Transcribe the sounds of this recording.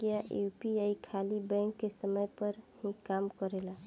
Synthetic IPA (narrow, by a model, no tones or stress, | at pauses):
ijaʔjupiaikʰalibɛ̃ŋkːesəməjpəɾhĩkamkəɾela